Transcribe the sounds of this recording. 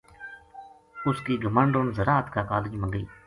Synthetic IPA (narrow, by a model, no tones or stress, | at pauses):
ʊskiːɡəməɳɖoːnzəɾaːət̪kaːkaːlɪd͡ʒmə̃ŋɡiː